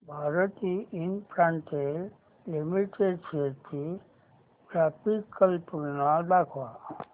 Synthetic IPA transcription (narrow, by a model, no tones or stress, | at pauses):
bʱaɾət̪iʔinpɾãɳʈel | limiʈeɖseɾt̪ʰi | kɾapikːəlpuɾnald̪akʰʋa